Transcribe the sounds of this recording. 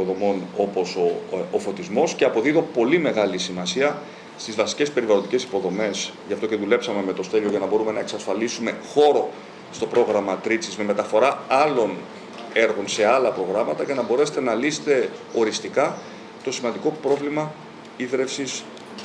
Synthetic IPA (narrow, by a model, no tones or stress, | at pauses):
ðo̞mo̞no̞po̞soofo̞t̪izmo̞sceɐpo̞ðiðo̞po̞lime̞ɣɐlisimɐsiɐ | st̪izvɐsi̥ce̞spe̞ɾivɐlod̪ice̞si̥po̞ðo̞me̞sʝɐft̪o̞ce̞ðule̞psɐme̞me̞t̪o̞st̪e̞ʎoʝɐnɐbo̞ɾume̞nɐeksɐsfɐlisume̞xo̞ɾo̞ | st̪o̞pɾo̞ɣɾɐmɐt̪ɾit͡sizme̞me̞t̪ɐfo̞ɾɐɐlo̞n | e̞ɾɣo̞nse̞ɐlɐpɾo̞ɣɾɐmɐt̪ɐcenɐbo̞ɾe̞se̥t̪e̞nɐlise̥t̪e̞o̞ɾist̪ikɐ | t̪o̞simɐnd̪iko̞pɾo̞vlimɐ | iðɾe̞fsis